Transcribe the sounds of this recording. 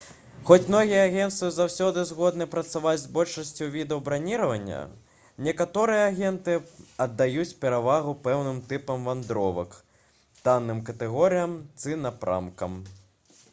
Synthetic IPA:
xɔt͡sʲmnɔɣʲijɐaɣʲɛnt̪sɨwzawsʲɔd̪ɨzɣɔd̪nɨpɾɐt̪savad͡zʲzbɔlʲʂɐsʲt͡sʲuvʲid̪ɐwbɾanʲiɾɐvɐnʲːɐ̰ | nʲɛkat̪ɔɾɨjɐːɣʲɛnt̪ɨɐd̪ːajut͡sʲpʲɛɾavaɣupɛwnɨmt̪ɨpɐmvand̪ɾɔvɐ̰k | t̪anːɨmkɐt̪ɛɣɔɾɨjɐmt̪sɨnɐpɾa̰mkɐ̰m

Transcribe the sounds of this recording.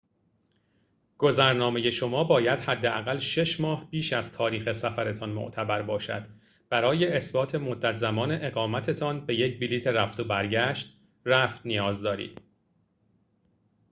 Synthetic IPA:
ɡ̥o̞zæɾnɒːme̞je̞ʃo̞mɒːbɒːjæd̪hæd̪ːeʔæɣælʃe̞ʃmɒːhbiːʃæzt̪ʰɒːɾiːxe̞sæfæɾe̞t̪ʰɒnmo̰ʔt̪ʰæbæɾbɒːʃæ̰d̪̥ | b̥æɾɒːje̞ːsbɒːt̪ʰe̞mo̞d̪ːæt̪ʰzæmɒːne̞ʔeɣɒːmæt̪ʰe̞t̪ʰɒnbe̞je̞cʰbiliːt̪ʰeɾæft̪obæɾɟæʃt̪ | ræft̪nijɒːzd̪ɒːɾḭːd̪̥

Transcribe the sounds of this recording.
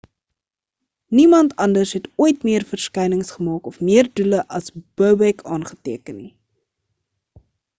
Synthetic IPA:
nimɐntɐndərsɦɛtuəjtmiərfərskɛjnəŋsχəmɑːkɔfmiərduləʔɐsb̥əwbɛkʰɑːnχə̥tiəkənːi

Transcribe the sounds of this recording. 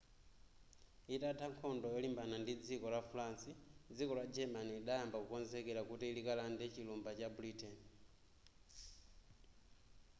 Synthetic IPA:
itatʰaŋkʰɔndɔjɔlimbanandid͡zikɔlafulansid͡zikɔlad͡ʒɛmaniːɗajambakukɔnzɛkɛlakutiːlikalandɛt͡ʃilumbat͡ʃabuɾitɛn

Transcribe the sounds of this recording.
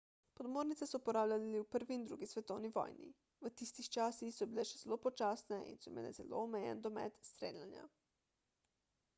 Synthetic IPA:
pɔd̪moːɾnit̪sɛsɔupɔɾaːwlʲaliliwpəɾʋiːnd̪ɾuːɡisʋɛt̪ɔwniʋɔ̰jnḭ | ʋət̪ist̪ixt͡ʃaːsixsɔbilɛʃɛz̥ɛlopɔt͡ʃaːsnɛʔḭnsɔmḛːlɛ̰zɛ̰lo̰ɔmɛjɛ̰nd̪ɔmɛ̰t̪st̪ɾḛːljanja̰

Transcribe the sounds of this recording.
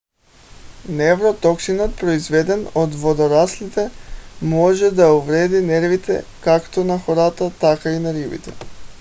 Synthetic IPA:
nɛvɾot̪ɔksinɔt̪̚pɾoizvɛd̪ɛnod̪vod̪oɾaslit̪ɛmɔʒɛd̪auvɾɛd̪inɛɾvit̪ɛ̰kakt̪onaxɔɾat̪at̪akainaɾibḭt̪ɛ

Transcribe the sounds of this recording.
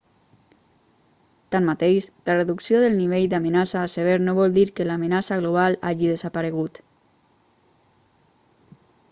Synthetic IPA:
t̪anmat̪ejʃləreðuksijoðəlˠniβ̞eʎd̪amənasaːseβ̞eɾnoβɔlˠd̪iɾkəlamənasaɣloβ̞ala̰ʒiðəzapaɾəɣ̞ut̪

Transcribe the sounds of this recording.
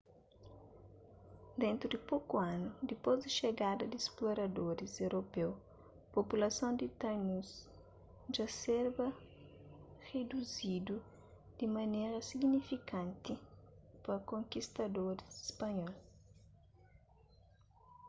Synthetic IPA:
d̪ẽnt̪ɾud̪ɪpokuãnud̪ipozd̪ɐʃeɡad̪ɐd̪iesploɾɐd̪oɾizewɾʔopew | populɐsɐ̃w̃d̪it̪ɐnus | d͡ʒɐseɾbɐ | red̪uzid̪u | d̪̥imɐneɾɐsiɡnifikãnt̪ipɐkõŋkist̪ɐd̪oɾisispɐɲɔl

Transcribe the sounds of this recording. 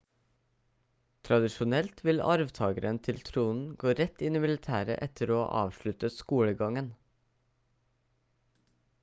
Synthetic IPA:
t̪ʰɾɑd̪ɪʃʊnɛlt̪ʰʋɪlɑ̰ɾʋt̪ʰɑːɡəɾənt̪ʰɪlt̪ʰɾuːnn̩ɡoːɾɛt̪ɪniːmɪlɪt̪ʰæːɾə̰ʔɛt̪ʰəɾoːʔɑ̰ːʋʃɭʉt̪əskuːɽəɡɑŋən

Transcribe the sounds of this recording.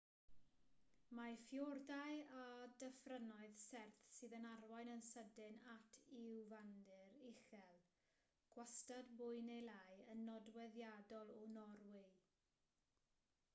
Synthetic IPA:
mafjɔrdajadəfrənɔɨðsɛrθsɨːðənarwajnənsədɪnatʰɪwvandɪɾɪɬɛlˠ | ɡ̥wastadbʊɨnejlˠajənːɔdwɛðjadɔlˠɔnɔrwɪ

